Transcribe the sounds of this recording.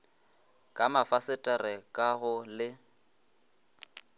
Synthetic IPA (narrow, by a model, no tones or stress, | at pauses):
kʼamafasɪtʼɛrɛkʼaɣʊlɪ